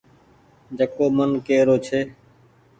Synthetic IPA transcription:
d͡ʒəkoːmənkeːɾoːt͡ʃʰeː

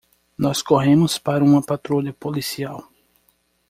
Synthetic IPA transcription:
nɔskoɦẽmʊspaɾɐũmɐpat̪ɾoʎɐpolisiaw

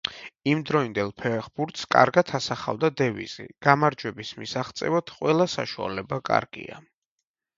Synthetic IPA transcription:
imd̪ɾɔind̪ɛlˠpʰɛχbuɾt̪ʰskʼa̰ɾɡat̪ʰasaχa̰vd̪ad̪ɛvḭz̥ḭɡ̥amaɾd͡ʒwɛbismisaχt̪sʼɛ̰vat̪ʰqʼwɛlˠasaʃua̰lɛbakʼa̰ɾɡḭa̰

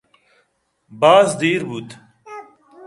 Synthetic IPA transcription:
baːzd̪iːɾbuːt̪

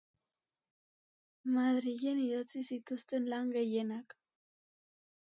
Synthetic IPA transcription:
maðɾiʝe̞niðot͡sisit̪ust̪e̞nlaŋɡe̞je̞nak

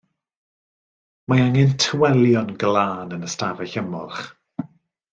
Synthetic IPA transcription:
maaŋɛntʰəwɛlˠjɔnɡlaːnənəstavɛɬəmɔlχ

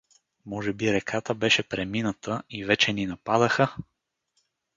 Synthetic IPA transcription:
mɔʒɛbiɾɛkʰat̪əbɛʃɛpɾɛminət̪ʰəivɛt͡ʃɛninɐpad̪əxə

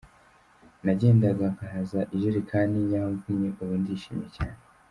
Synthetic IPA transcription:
naɟe̞ːndaɡakaɦazaʔiʒuɾikʰaːndijaːɱvumɲeʔuβundiʃḭːmjecaːne

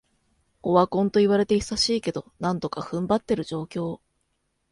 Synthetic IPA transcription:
o̞βakõ̞nt̪o̞iβaɾe̞t̪e̞isaɕiːke̞d̪o̞nãnt̪o̞kaɸɯ̟̃mbat̪ːe̞ɾɯ̟ʑo̞ːkʲo̞ː

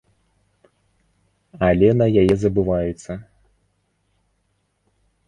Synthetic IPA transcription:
ɐlʲɛnɐjajɛzɐbɨvajut̪sːɐ

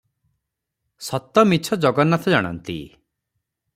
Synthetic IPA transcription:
sɔt̪ɔmit͡ʃʰɔd͡ʒɔɡɔnat̪ʰɔd͡ʒaɽ̃ɔ̰nt̪ḭ

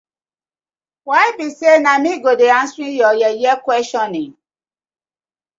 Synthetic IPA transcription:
wajbisenamĩɡodeãnsɾĩjɔjɛjɛkwɛsʃɔ̃nĩŋ

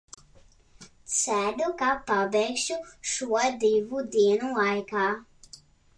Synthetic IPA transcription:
sæd̪ukapabɛjkʃuʃuɔd̪ivud̪iɛnulˠajkaː

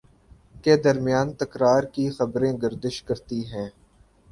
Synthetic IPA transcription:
ked̪ɐɾmɪjaːnt̪ɐkɾaːɾkixɐbɾẽɡɐɾd̪ɪʃkɐɾt̪iɦɛ̃ː

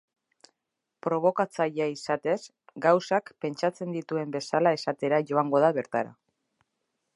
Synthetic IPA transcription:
pɾo̞β̞o̞kat͡saʎaisat̪e̞s | ɡawsakpe̞nt͡ʃat͡se̞nd̪it̪ue̞mbe̞salae̞sat̪e̞ɾaʝo̞aŋɡo̞ðaβe̞ɾt̪aɾa̰

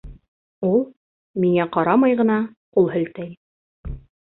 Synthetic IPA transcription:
ulˠ | miŋæqɑɾɑmɑjʁɤ̆nɑ | qulˠɦɘ̆lt̪æj

